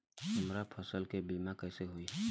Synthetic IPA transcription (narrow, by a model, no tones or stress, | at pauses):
t̪ʊmɾapʰəsəlkebimakəɪseɦoiɛ